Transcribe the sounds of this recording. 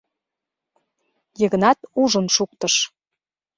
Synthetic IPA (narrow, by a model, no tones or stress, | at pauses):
jə̆ɣə̆nɑt̪uʒənʃuk̚t̪əʃ